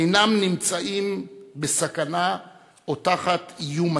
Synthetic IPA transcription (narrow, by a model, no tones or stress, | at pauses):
ejnamnimt͡saʔimbesakana | otaχat̪ijuma